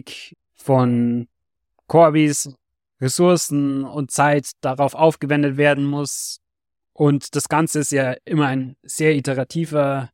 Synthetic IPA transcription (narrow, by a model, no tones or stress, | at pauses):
k | fɔn | kʰɔɐbis | ʁesʊɐsn̩ʊnt̚t͡saɪtd̥aʁaʊfʔaʊfɡ̥əvɛndətv̥eːɐdn̩mʊs | ʔʊntd̥asɡ̥ant͡səɪstjaːʔɪmɐaɪnz̥eːɐitəʁatʰiːvɐ